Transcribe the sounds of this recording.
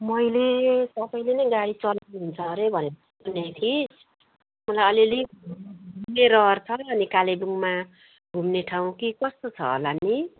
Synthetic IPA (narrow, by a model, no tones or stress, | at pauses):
mʌjlesʌbʌjlenʌjɡaɽit͡sʌlɦunt͡sʰʌɾebʱʌne | unːet̪ʰis | mʌlajʌliliɡʱumneɾʌrt͡sʰʌːnikalebuŋma | ɡʱumneʈʰaw̃kikʌst̪ot͡sʰʌ̰lanːi